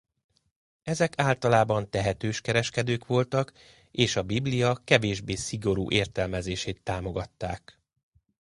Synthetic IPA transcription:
ɛzɛkaːlt̪ɒlaːbɒnt̪ɛɦɛt̪øːʃkɛɾɛʃkɛd̪øːkʋo̞lt̪ɒk | eːʃɒbiblijɒkɛveːʒbeːsiɡo̞ɾṵːʔeːrt̪ɛlmɛzeːʃeːt̪ːaːmo̞ɡɒt̪ːaːk

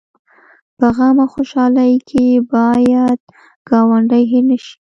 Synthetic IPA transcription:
pəɣɑmaxoʃɑləjkʰebɑjad̪̚ | ɡ̥ɑwaɳɖəjɦenəʃi̥

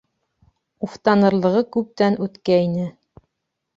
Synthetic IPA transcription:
uft̪ɑnɤ̆ɾlˠɤ̆ʁɤkʉp̚t̪ænʉt̪kæinɘ

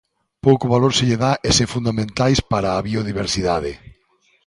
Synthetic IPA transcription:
powkʊβaloɾseʎeðaʔesefund̪amẽnt̪ajspaɾaːβioð̞iβ̞eɾsiðaðɪ

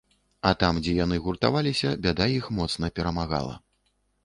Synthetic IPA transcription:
ɐt̪amd͡zʲɛjanɨɣurt̪a̰valʲisʲɐbʲad̪ajixmɔt̪snɐpʲɛɾɐmaɣa̰lˠɐ̰

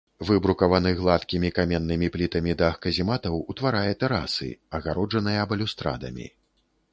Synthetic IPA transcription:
vɨbɾukɐvanɨɣlˠat̪kʲimʲikamʲɛnːɨmʲiplʲit̪ɐmʲid̪ɐːxkɐzʲimat̪ɐwut̪vaɾajɛt̪ɛɾa̰sɨ̰ɐɣaɾʔɔd͡ʐɐnɨjɐbɐlʲust̪ɾa̰d̪ɐ̰mʲḭ

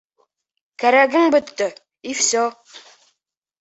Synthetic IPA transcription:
kæɾæɡɘ̆ŋbɵ̆t̪ːɵ | ifsɔ

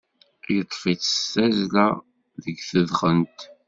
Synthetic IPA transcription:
jət̪ˤːfit͡sə̥stæzlæ | ðəɡθəðχənt̪

